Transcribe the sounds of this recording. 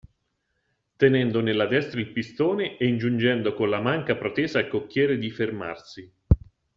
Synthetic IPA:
t̪enɛnd̪onelːad̪ɛst̪ɾailpist̪oːneʔeind͡ʒund͡ʒɛnd̪okonlamaŋkapɾot̪ɛːzaːlkokːjɛːɾed̪iferma̰rsi

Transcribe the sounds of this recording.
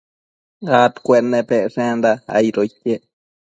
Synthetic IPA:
ɡat̪kʷenːebeʂend̪aa̰jɾojke

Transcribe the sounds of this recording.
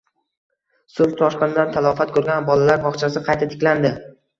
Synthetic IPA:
sʊɾt̪ʰɒʃqɨnɪd̪ant̪ʰalˠɒfat̪̚kʰɵɾɡʲanbɒlalaɾbɒχt͡ʃʰasɪqʰɑjt̪ʰat̪ʰɪ̥kʲland̪ɪ

